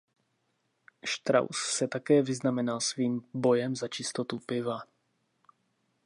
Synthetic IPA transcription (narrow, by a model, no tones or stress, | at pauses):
ʃt̪ɾa̰wssɛt̪akɛːvɪznamɛnalsviːmbo̞jɛmzat͡ʃɪst̪o̞t̪upɪva